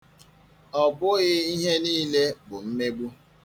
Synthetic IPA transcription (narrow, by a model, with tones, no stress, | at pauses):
ɔ˨bʊ˦ɣɪ˦i˦ɦe˦niː˦le˦bʊ˨m̩˦me˦ɡ͡bu˦